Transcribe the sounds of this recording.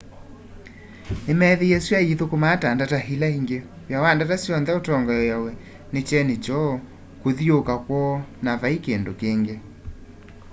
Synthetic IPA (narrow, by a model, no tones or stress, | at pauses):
nemɛðejɛswaiðokomataːndataɦilaiŋɡe | wjawandatasjɔnðɛotɔŋɡajɔjawɛ | net͡ʃɛned͡ʒɔ | koðiokakwɔnavaikendokeːŋɡe